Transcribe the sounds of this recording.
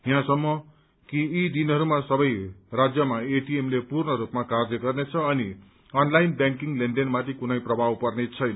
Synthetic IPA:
jãsʌmːʌ | kiːd̪inʌɾumasʌbʌjrad͡zjʌmaeʈiemlepurnʌɾupmakard͡zʌɡʌrnet͡sʰʌːni | ʌnlajnbjãŋkiŋleɳɖenmat̪ʰikunʌjprʌbʱawpʌrnet͡sʰʌjnʌ

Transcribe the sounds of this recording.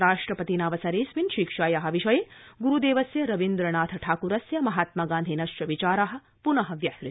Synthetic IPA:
ɾaːʂʈɾɐpɐt̪inaːʋɐsɐɾeːsʋinʃikʂaːjaːɦɐʋiʃɐjeːɡuɾud̪eːʋɐsjɐɾɐʋind̪ɾɐɳaːt̪ʰɐʈʰaːkuːɾɐsjɐmɐɦaːt̪mɐɡaːnd̪ʱinɐʃt͡ʃɐʋit͡ʃaːɾaːɦɐ̆ | punɐɦɐ̆ʋjɐsɾit̪i̥

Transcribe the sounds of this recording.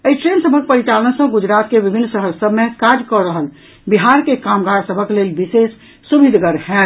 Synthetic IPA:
əiʈɾensəbʱək̚pəɾit͡ʃaləənsə̃ɡud͡ʒɾat̪kebibʱinːsəɦəɾsəbʱmekad͡ʒkɔɾəɦəl | biɦaɾkekamɡaɾsəbʱəklelbisesː | ubid̪ʱɡəɾhɛ

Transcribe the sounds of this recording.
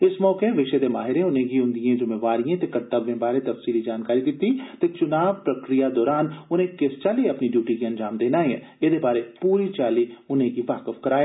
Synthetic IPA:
ɪsmɔːkeʋɪʃed̪emaːɦɪɾẽʊnɦẽkiʊ̃nd̪iẽd͡ʒʊmeʋaːɾijẽt̪ekɐɾt̪əɡẽbaːɾet̪ɐfsiːlid͡ʒaːnkaːɾid̪ɪt̪it̪et͡ʃʊnaːʋpɾɐkɾijad̪ɔːɾaːnʊn̤ẽkɪst͡ʃaːliɐpniɖjuːʈikiɐ̃nd͡ʒaːmd̪eːnaːeḛ̃ | ed̪ebaːɾepuːɾit͡ʃaːliʊnɦẽkiʋaːkɪfkɐɾaːje

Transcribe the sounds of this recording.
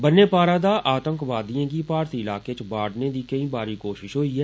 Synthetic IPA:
bənːeːpaːɾaːd̪aːʔaːt̪ə̃ŋkʋaːd̪ijãːkipaːɾt̪iɪlaːket͡ʃbaːɽned̪ikɐĩbaːɾikoːʃɪʃɦoːiɦɛː

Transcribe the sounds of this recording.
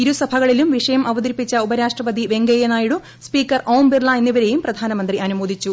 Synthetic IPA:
iɾusɐbʱɐɣɐɭilumʋiʂɐjɐmʔɐʋɐd̪iɾipːit͡ɕːɐubɐɾaːʂʈrɐʋɐd̪ʱiʋe̞ŋɡɐjɐnaːjiɽu | spiːkːɐrʔoːwmbirlɐenːiʋɐɾe̞jumprɐd̪ʱaːnɐmɐnd̪riʔɐnumoːd̪ʱit͡ɕːu

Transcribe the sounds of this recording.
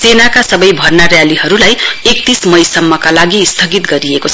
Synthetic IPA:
senakasʌbʌjbʱʌrnarjaliɦʌɾulajek̚t̪ismʌjsʌmːʌkalaɡist̪ʰʌɡit̪ɡʌɾiekot͡sʰ

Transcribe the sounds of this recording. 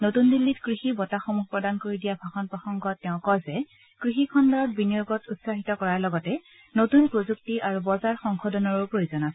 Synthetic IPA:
notundilːitkɹixibɔtaxomuxpɹɔdankoɹidijabʱaxɔnpɹɔxɔŋɡɔtːɛʊ̃kɔzɛ | kɹixikʰɔndɔɹɔt̚binijoɡɔtʰutsaɦitɔkɔɹaɹlɔɡɔtɛ | notunpɹozuk̚tiʔaɹubɔzaɹxɔŋxʰɔdɔnɔɹupɹojozɔnasɛ

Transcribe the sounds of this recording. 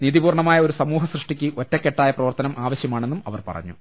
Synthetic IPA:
niːðibuːrɳɐmaːjɐoɾusɐmuːɦɐsrɨʂʈikʲːɨʔo̞tːɐkːe̞ʈːaːjɐprɐʋɐrt̪ɐnɐmʔaːʋɐɕjɐmaːɳenːumɐ̰ʋɐ̰rpɐ̰rɐ̰ɲːu

